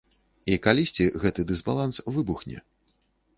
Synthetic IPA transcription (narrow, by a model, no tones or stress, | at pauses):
ikalʲisʲt͡sʲiɣɛt̪ɨd̪ɨzbalˠansvɨbuxnʲɛ̰